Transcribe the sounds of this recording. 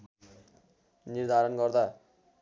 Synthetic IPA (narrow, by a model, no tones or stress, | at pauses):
nird̪ʱaɾʌnɡʌrd̪a